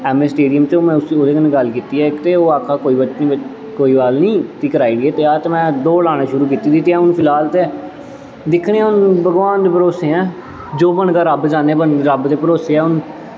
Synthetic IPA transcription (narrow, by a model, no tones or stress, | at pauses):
ɛːmeːsʈeːɖijəmt͡ʃoːm̃ːʊod̪eːkəneɡəlkiːt̪iːɛːɪkt̪eːoːaːkʰaːkoːiːbət͡ʃnĩː | koːiːbaːlnĩːt̪iːkəɾaːiːdiːɛːt̪eːaːt̪eːmɛ̃ːd̪oːlaːnẽːʃʊɾuːk̬iːt̪iːd̪ɪt̪ːiːaːʊnpʰɪlaːlt̪eː | d̪ɪkʰɽeãːʊnbəɡʋaːnd̪eːpəɾoːseːɛ̃ː | d͡ʒoːbənɡaːɾəbd͡ʒaːneːbənɾəbd̪eːpəɾoːseːɛːʊn